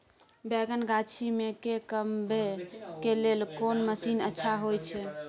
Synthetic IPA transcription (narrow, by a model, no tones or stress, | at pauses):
bɛɡənɡat͡ʃʰimekekəmbʱekelelkonməsinətːʃʰaɦojt͡ʃʰɛ